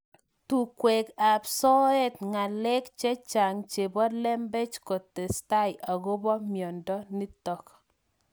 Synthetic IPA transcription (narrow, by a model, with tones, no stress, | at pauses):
tu˨kwe˨ka˨psɔ˦e˦tŋa˨le˦kt͡ʃe˦t͡ʃa˨ŋt͡ʃe˨bɔ˦lɛ˦mbe˦t͡ʃko˨tːe˨sta˦ɪʔa˨ɡo˦bɔ˦mjɔ˨ndɔ˦ni˦tɔ˦k